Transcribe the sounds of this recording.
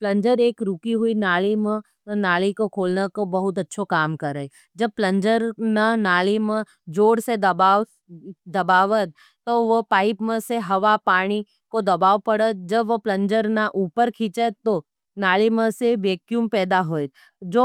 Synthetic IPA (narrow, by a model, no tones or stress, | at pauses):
plɐ̃ɲd͡ʒəɾeːkɾukiɦuinaːlimə̃ | naːlikokʰoːlnakobɐɦʊt̪ɐtːʃʰokaːmkɐɾəe | d͡ʒɐb̚plɐ̃ɲd͡ʒəɾnanaːlimə̃ | d͡ʒoːɽsed̪ba | d̪ɐbaːʋət̪ | t̪oʋopaːɪpmə̃seɦɐʋapaːɽ̃i | kod̪ɐbaːʋpɐɽət̪̚d͡ʒɐbʋoplɐ̃ɲd͡ʒəɾnaʔuːpəɾkʰĩːt͡ʃət̪ːo | naːlimə̃seʋeːkjumpɛːd̪aɦoːe | d͡ʒoː